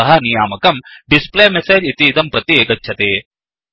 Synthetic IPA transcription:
ɐɦɐnijaːmɐkɐmɖispleːmeseːd͡ʒit̪iːt̪ɐmpɾɐt̪jeːɡɐtːʃʰɐt̪eː

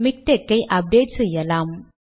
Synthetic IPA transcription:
mɪk̚ʈ̪ekːɐɪʔɐb̚ɖ̪eːʈsɛjɐlaːm

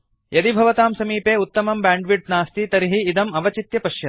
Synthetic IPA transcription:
jɐd̪ibʱɐʋɐt̪aːmsɐmiːpeːut̪ːɐmɐmbaːɳɖʋiʈ̚naːst̪it̪ɐɾiɦiːd̪ɐmɐʋɐt͡ʃit̪jɐpɐʃjɐ

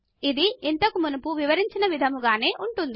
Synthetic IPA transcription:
id̪iint̪ɐkumunɐpuʋiʋɐɾiɲt͡ʃinɐʋid̪ʱɐmuɡaːne̞ːʔuɳʈund̪i

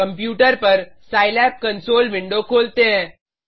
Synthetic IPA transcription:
ɐ̃mpjuːʈəɾpɐɾsaːɪlɛːp̚kɐ̃nsoːlʋɪ̃ɳɖokʰoːlt̪eɦɛ̃ː

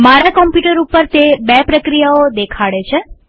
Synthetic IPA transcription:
maɾakɔmpjuʈəɾupəɾt̪ebɛpɾəkɾijaod̪ekʰaɭet͡ʃʰe

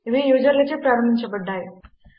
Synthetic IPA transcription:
ʋijuːd͡ʒɐɾlɐt͡ɕepɾaːɾɐmbʱiɲt͡ʃɐpɐɖːaj

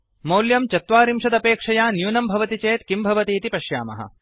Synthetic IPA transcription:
mɐwljɐmt͡ʃɐt̪ʋaːɾimʂɐd̪ɐpeːkʂɐjaːnjuːnɐmbʱɐʋɐt̪it͡ʃeːt̪kimbʱɐʋɐt̪iːt̪ipɐʃja̰ːmɐ̰ɦɐ̰

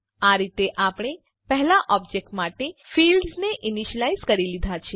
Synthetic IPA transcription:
aɾit̪eʔapɳ̃e | pɛɦlaʔɔb̚d͡ʒek̚ʈmaʈefilɖzneʔiniʃəlaizkəɾilid̪ʱat͡ʃʰe

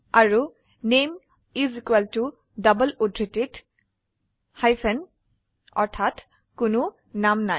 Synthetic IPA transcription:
aɹu | nem | izikwɛltu | dʌbəludɹitit | hajfʰɛn | ɔ̰ɹtʰat | kʊnʊ | namnaj

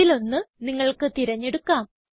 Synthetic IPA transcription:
ilo̞nːɨniŋːɐɭkɨt̪iɾɐɲːeɽukːaːm

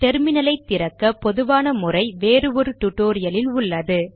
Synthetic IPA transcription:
ʈɛɾmɪnɐlɐɪt̪ːɪɾɐkːɐpɔðɯʋaːnɐmʊrɐɪʋeːɾɯʋɔɾɯʈʊʈːoːɾɪjɐlɪlʊɭːɐðɯ

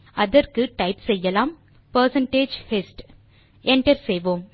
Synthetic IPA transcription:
ɐðɐɾkɯʈɐɪpsɛjːɐlaːm | pɐɾsɐɳʈeːd͡ʒhɛsʈ | ɛɳʈɐɾsɛjʋoːm

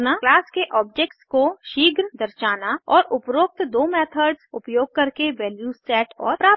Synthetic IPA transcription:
naklaːskeʔɔːbd͡ʒeːk̚ʈskoʃiːɡɾd̪ɐɾʃaːnaɔːɾʊpɾoːk̚t̪d̪oːmɛːt̪ʰəɾɖzʊpjoːɡ̚kɐɾkeʋɛːljuːsɛːʈɔ̰ːɾpɾaː

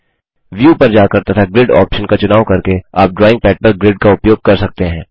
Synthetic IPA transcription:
ʋjuːpɐɾd͡ʒaːkɐɾt̪at̪ʰaɡɾɪɖɔ̰ːpʃənkat͡ʃʊnaːʋkɐɾkea̰ːp̚ɖɾɔːɪ̃ŋɡ̚pɛːʈ̚pəɾɡɾɪɖkaʊpjoːɡ̚kɐɾsɐk̚t̪eɦɛ̃ː

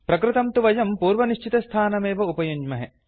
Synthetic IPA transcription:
pɾɐkɾɪt̪ɐmt̪uʋɐjɐmpuːɾʋɐniʃt͡ʃit̪ɐst̪ʰaːnɐmeːʋɐupɐjuɲd͡ʒmɐɦḛ

